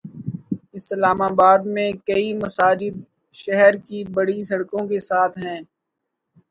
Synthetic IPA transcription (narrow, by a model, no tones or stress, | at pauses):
ɪslaːmaːbaːd̪mẽkɐimɐsaːd͡ʒɪd̪ | ʃɛɦɛɾkibɐɽisɐɽkõkesaːt̪ʰɦɛ̃ː